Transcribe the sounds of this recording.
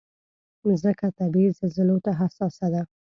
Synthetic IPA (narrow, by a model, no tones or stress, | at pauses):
zəkat̪abizəzɪlot̪aɦasɑsad̪a